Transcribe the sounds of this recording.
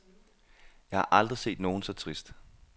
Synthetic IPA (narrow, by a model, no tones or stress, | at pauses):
jɑ̈ɪhɑ̈ʔɑ̈ld̥ʁise̝̰ːd̥no̝ːn̩sɒ̽t͡sʰʁisd̥